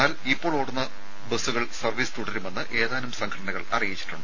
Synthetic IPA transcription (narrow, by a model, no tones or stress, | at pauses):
aːlipːoːɭoːɽunːɐ | besuɣɐɭsɐrʋiːst̪uɽɐɾume̞nːɨʔe̞ːðaːnumsɐŋkʰɐɽɐɳɐɣɐɭɐ̰rijit͡ɕːi̥ʈːuɳɖɨ